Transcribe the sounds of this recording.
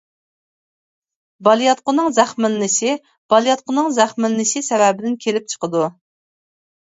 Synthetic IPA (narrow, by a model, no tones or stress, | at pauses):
bɑlˠjɑt̪̚qʊnɨŋzæχmɪnːɪʃɪ | b̥ɑlˠijɑt̪̚qʰʊnɨŋzæχmɪnːɪʃɪsɛvɛbɪd̪ɪnkʲʰelɪp̚t͡ʃʰə̥qəd̪u